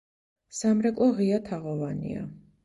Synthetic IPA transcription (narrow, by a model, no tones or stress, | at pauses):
samɾɛkʼlˠɔʁiat̪ʰaʁɔvanḭa̰